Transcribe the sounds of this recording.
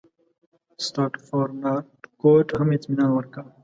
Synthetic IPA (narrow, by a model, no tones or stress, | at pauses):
st̪aːʈfoːɾnaːʈkoːʈɦɐmit͡sminawɐɾka